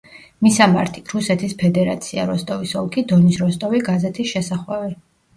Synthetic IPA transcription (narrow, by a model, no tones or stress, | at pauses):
misama̰ɾt̪ʰiɾusɛt̪ʰispʰɛd̪ɛɾat̪sʰia̰ɾɔst̪ʼɔvisɔlˠkʰid̪ɔnisɾɔst̪ʼɔviɡazɛt̪ʰisʃɛsaχwɛvɛ